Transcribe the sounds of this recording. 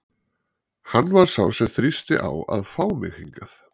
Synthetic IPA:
hanːvaɾ̥saːwsɛθɾist̪ɪʔawaðfaːwmɪxhiŋkaθ

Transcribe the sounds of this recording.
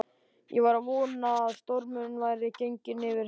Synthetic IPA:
jʔɛvaɾavɔːnaːðst̪ɔɾmʏnnvaːjɾɪcejɲcɪnɪvɪɾ

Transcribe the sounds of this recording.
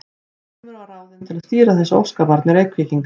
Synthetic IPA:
nɪɾvaɾaðɪnt̪ʰɪlaðst̪iːɾaθɛsːao̰wskapaɾt̪nɪɾeːjkʰviːt̪iŋk

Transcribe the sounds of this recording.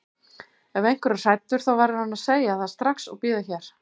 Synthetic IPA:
ɛvejŋ̥kvɛɾʏ̥sajt̪ːʏɾ̥θawvajɾɪɾhanːaðseːjaθaðst̪ɾahksɔ̰ɣpɪːðaçɛːɾ̥

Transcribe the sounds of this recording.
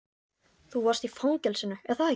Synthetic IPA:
θuvarst̪ifawŋcɛlsɪnːʏɛðθa

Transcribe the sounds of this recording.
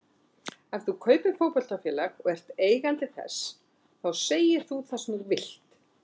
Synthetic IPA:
avθukʰœːɥpɪfowpɔl̥t̪afjɛːlaɣɔɣɛr̥t̪eːjɣant̪ɪθɛ̰s | θawseːjɪɾ̥θuθɛsnʏɾvɪl̥t̪

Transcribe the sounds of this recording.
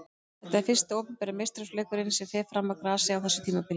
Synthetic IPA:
θɛht̪aɛɾ̥fɪn̥st̪ɪoːwpʏmpɛːɾamejst̪ɾœslɛːkʏɾɪnsɪfɛːfɾamːakɾaːsɪawθɛsːʏ̥t̪ʰiːmapɪl

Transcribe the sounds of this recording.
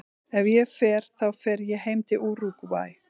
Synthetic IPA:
ɛvjɛfɛːɾ̥θawfɛɾjɛɦeːjmt̪ɪʔuːɾukva̰ːj

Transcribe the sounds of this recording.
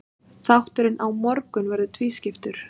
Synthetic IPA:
θawht̪ʏɾɪnʔawmɔɾkʏnvɛɾðʏt̪ʰviːscɪft̪ʏɾ̥

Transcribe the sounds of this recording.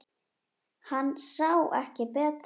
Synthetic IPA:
hanːsawɛ̰hcɪpɛːt̪

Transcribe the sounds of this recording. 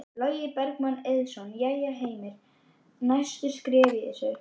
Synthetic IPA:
lɔːɥjɪpɛɾkmanːɛðsɔnjajaɦeːjmɪɾ̥ | najst̪ʏskɾɛːvɪɪ̰sɛ

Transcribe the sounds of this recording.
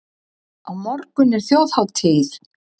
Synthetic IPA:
awmɔɾkʏnɛɾ̥θjowð̥hawt̪ʰɪːð

